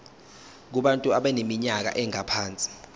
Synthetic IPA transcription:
k̬uɓantʼuaɓɛnemiɲak̬a̰ʔɛŋapʰaːnt͡sʼi̥

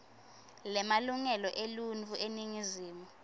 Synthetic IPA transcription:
lɛmaluŋɛlɔʔelunt͡fʰʼuʔeniŋiziːmu

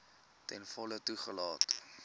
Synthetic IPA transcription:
tɛnfɔlətuχəlɑːt

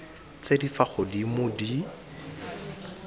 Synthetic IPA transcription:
t͡sʼedifaχʊdimʊdi

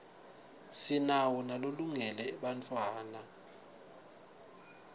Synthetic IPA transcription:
sinawɔnaloluŋɛlɛɛɓantʼwaːna

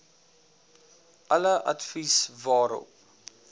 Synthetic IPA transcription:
ʔɐləʔɐ̰tfisvɑːɾɔ̰p̚

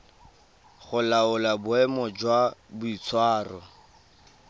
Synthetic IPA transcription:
χʊlaʊlabʊɛmɔd͡ʒwabʊit͡sʰwaːrɔ

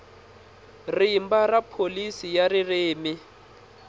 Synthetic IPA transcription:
rimbarapʰolisijarɪreːmɪ

